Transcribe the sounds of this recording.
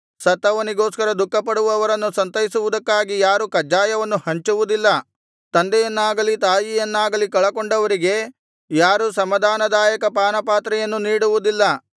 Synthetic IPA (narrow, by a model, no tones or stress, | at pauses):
sɐt̪ːɐʋɐniɡo̞ːskɐɾɐd̪ukːɐpɐɽuʋɐʋɐɾɐnːusɐnt̪ɐjisuʋud̪ɐkːaːɡijaːɾukɐd͡ʒaːjɐʋɐnːuhɐɲt͡ʃuʋud̪ilːɐ | t̪ɐnd̪ɛjɐnːaːɡɐlit̪aːjijɐnːaːɡɐlikɐɭɐkoɳɖɐʋɐɾiɡe̞ | jaːɾusɐmɐd̪ʱaːnɐd̪aːjɐkɐpaːnɐpaːt̪ɾɛjɐnːuniːɽuʋud̪ilːɐ